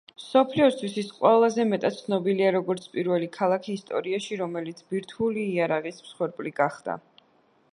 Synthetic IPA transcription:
msɔpʰliɔst̪ʰwisisqʼwɛlˠazɛmɛt̪ʼat̪t̪sʰnɔbiliaɾɔɡɔɾt̪sʰpʼiɾvɛlikʰalˠakʰiːst̪ʼɔ̰ɾiaʃiɾɔmɛlit̪sʰbiɾt̪ʰuliːaɾaʁismsχwɛɾpʼliɡaχd̪̥a̰

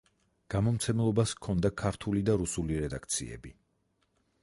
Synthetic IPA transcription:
ɡ̥amɔmt̪sʰɛmlˠɔbaskʰɔnd̪akʰaɾt̪ʰulid̪aɾusuliɾɛd̪akʰt̪sʰḭɛ̰bi

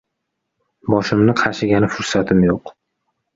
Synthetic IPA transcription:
bɒʃɪmnɪqʰɑʃɪɡʲanɪfʊɾsat̪ʰɪmjoq

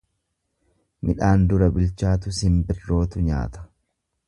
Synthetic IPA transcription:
mɪᶑaːnd̪ʊɾɐbɪlt͡ʃaːt̪ʊsɪmbɪrːo̞ːt̪ʊɲa̰ːt̪ɐ̥

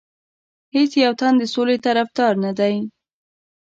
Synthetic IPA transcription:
het͡sjawt̪and̪əsolet̪aɾafd̪ɑɾnad̪aj

